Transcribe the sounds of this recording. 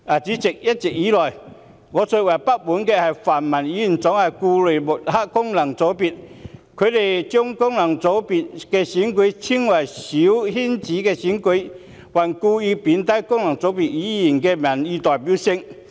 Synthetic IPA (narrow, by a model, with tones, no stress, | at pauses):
ʔa˨˩t͡siː˨˥t͡se˨˩k̚jɐ˥t̚t͡sɪ˨k̚jiː˨˥lɔː˨˩j | ŋɔː˨˧˦so˧˩wɐ˨˩jpa˦˥k̚mu˨˥nkɛː˧hɐ˨˩jfaː˨˩nmɐ˨˩njiː˨˥ji˨˩nt͡sɔ˨˥ŋhɐ˨˩jkuː˧le˨˩jmʊ˨˩t̚ha˥kkʊ˥ŋnɐ˨˩ŋt͡so˨˥wpi˨˩t̚kʰø˨˧t̪e˨˩jt͡ɕʊ˥ŋkʊ˥ŋnɐ˨˩ŋt͡so˨˧˥wpi˨˩t̚kɛː˧si˨˥nki˨˥jt͡sʰi˥ŋwɐ˨˩jsi˨˦whi˥nt͡siː˨˥kɛː˧si˨˦nke˨˧˥j | wɐ˨˩nkuː˧i˧pi˨˥nt̪a˧˥jkʊ˥ŋnɐ˨˩ŋt͡so˨˧˥wpi˨˩t̚jiː˨˦˥ji˨˩nkɛː˧mɐ˨˩nji˧t̪ɔː˨˩jp̬i˨˥wsɪ˧ŋ